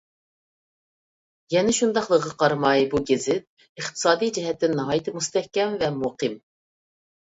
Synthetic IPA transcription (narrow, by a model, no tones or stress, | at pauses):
jɛnɪʃund̪ɑχlˠəʁɑqɑɾmɑjbuɡʲɪzɪt̪̚ | ɨχt̪ʰɨ̥sɑːd̪ijd͡ʒɛɦɛt̪ːɪnːɨɦɑːjɨt̪ʰɨmust̪ɛhkʲɛmvɛmoqɨm